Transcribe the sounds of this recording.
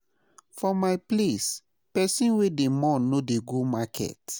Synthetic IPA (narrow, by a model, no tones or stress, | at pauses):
fɔmaɪples | pɛsĩnwedemɔnodeɡomakɛ̰t